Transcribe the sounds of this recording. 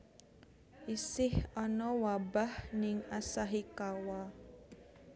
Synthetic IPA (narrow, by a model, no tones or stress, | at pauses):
ʔisɪhɔnɔwabahnɪŋasaɦikawa